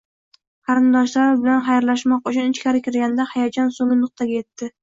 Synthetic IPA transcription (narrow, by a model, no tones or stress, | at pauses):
qʰɑɾɪnd̪ɒʃlaɾɪbɪlanχajɾlaʃmɒqʊt͡ʃʰʊnɪt͡ʃkʲaɾɪkʲɪɾɡʲand̪ahajad͡ʒɒnsoŋɪnʊq̚t̪ʰaɡʲae̞t̪ːɪ